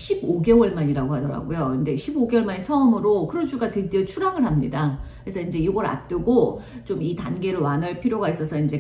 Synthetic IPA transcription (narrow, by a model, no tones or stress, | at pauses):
ɕʰiboɡe̞wʌɭmaɲiɾaɡoɦadʌɾa̰ɡojoɯnde̞ɕʰiboɡe̞wʌmaɲet͡ɕʰʌɯmɯɾokɯɾʌd͡ʑuɡatɯdiʌt͡ɕʰuɾaŋɯɭhamɲidakesʰʌind͡ʑe̞iɡʌɾa̰p̚t͈ɯɡot͡ɕomitanɡe̞ɾɯɭwanɦaɭpʰiɾjoɡais͈ʌsʰʌind͡ʑe̞